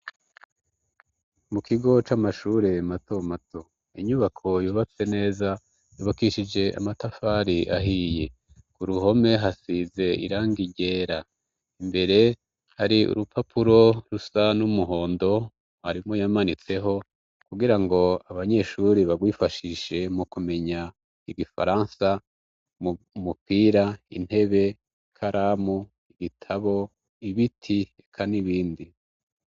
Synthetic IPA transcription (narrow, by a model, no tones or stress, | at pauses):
mukiɡo̞t͡ʃamaʃuːɾe̞mato̞matʰo̞ | iɲuβakʰo̞juːβat͡se̞ne̞ːza | juːβakiʃid͡ʒe̞ʔa̰matafaːɾiʔa̰ɦije̞ | kuɾuɦo̞me̞ɦasize̞ḭɾaːŋɡiɟe̞ːɾa | imbe̞ɾe̞ | haɾiṵɾupʰapʰuɾo̞ɾusanumuɦo̞ːndo̞ | haɾimojamanit͡se̞ɦo̞ | kuɡiɾaŋɡo̞aβaɲe̞ʃuɾiβaɡwiːfaʃiʃe̞mukume̞ɲa | iɡifa̰ɾaːnsa | m | mupiːɾaḭn̥he̞βe̞ | ikʰaɾʔamu | iɡitʰaβo̞ | iβitʰiekʰaniβiːndi